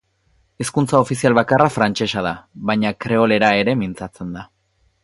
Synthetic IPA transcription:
eskunt͡sao̞fisialβakarafɾant͡ʃe̞ʃað̞aβajɲakɾe̞ole̞ɾae̞ɾe̞mint͡sat͡se̞nd̪a

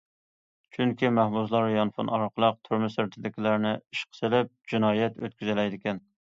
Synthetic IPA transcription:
t͡ʃʰyŋkʲimæhbuzlˠɑɾjɑnfṵnɑɾqʰəlˠəq̚t̪ʰyɾmɪsɾt̪ʰɪd̪ɪkʲilæɾnɪiʃqʰə̥sɪlɪp̚d͡ʒinɑːjɛt̪ø̰t̪̚kʲyzɪlɛjd̪ɪkʲɛn

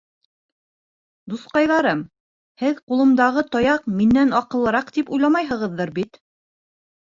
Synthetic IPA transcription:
d̪uθqɑjðɑɾɤm | hɘðqulˠɤ̆md̪ɑʁɤt̪ɑjɑqminːænɑqɤ̆lˠɤ̆ɾɑqt̪ipujlˠɑmɑjɦɤ̆ʁɤ̆ðːɤɾbit̪

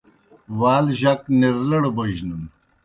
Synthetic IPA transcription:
waːlʑɐkniɾlɐɽoboʑnum

